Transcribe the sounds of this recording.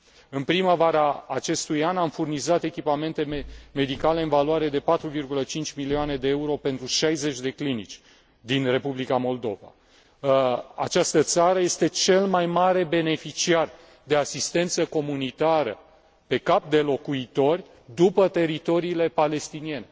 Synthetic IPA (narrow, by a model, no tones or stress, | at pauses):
ɨnpɾiməvaɾaːt͡ʃe̞st̪ujanamfurnizat̪e̞kʲipame̞nt̪e̞meme̞d̪ikale̞ɨnvaloaɾe̞d̪e̞pat̪ɾuvirɡulət͡ʃint͡ʃʲmiliane̞d̪e̞euɾo̞pe̞nt̪ɾuʃajze̞t͡ʃʲd̪e̞klinit͡ʃʲ | d̪inre̞publikamo̞ld̪o̞va̰ | a̰t͡ʃast̪ət̪saɾəje̞st̪e̞t͡ʃe̞lmajmaɾe̞be̞ne̞fit͡ʃiar | d̪e̞asist̪e̞nt̪səko̞munit̪aɾə̰ | pe̞kap̚d̪e̞lo̞kuit̪o̞rʲ | d̪upət̪e̞ɾit̪o̞ɾiːle̞pale̞st̪inie̞ne̞